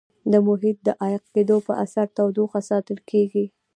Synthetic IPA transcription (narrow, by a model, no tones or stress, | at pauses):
d̪əmʊɦit̪̚d̪əʔajqked̪opəʔasaɾt̪awd̪oxasɑt̪əlkʰeɡi